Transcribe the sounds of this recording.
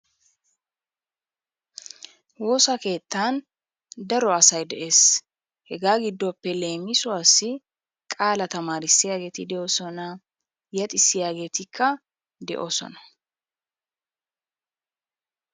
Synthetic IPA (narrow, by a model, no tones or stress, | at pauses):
woːsɐke̞ːt̪ːaːn | d̪ɐɾɔɐsɐjd̪ɛʔe̞ːs | hɛɡaːɡɪd̪ːɔpːɛle̞ːmɪsʊaːsːɪ | kʼaːlɐt̪ɐmaːɾɪsːɪjaːɡe̞ːt̪ɪd̪ɛosɔnɐ | jɐt̪ʼɪsːɪjaːɡe̞ːt̪ɪkʰːɐ | d̪ɛ̰ʔo̰ːsɔ̰nɐ̥